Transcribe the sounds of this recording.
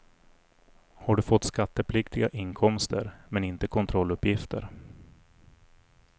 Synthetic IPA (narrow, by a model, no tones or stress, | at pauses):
haɖɵfɔt̪ːskat̪ːəpʰlɪkt̪ɪɡaʔɪŋkʰɔmst̪ə̰ɾmɛnɪnt̪əkʰɔnt̪ʰɾɔlːɵpːjɪft̪ʰə̰ɾ